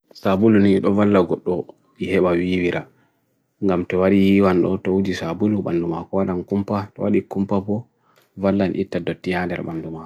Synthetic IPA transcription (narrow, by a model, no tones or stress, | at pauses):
sabuluniɗɔvalːaɡɔɗːɔ | ihɛɓawiːwiɾʔa | ŋɡamtɔwaɗijiwanɗɔ̰tɔwud͡ʒisabuluɓandumakɔwaɗankumpatɔ̰waɗikumpabɔ | valːanʔitːadotːijandɛ̰ɾɓanduma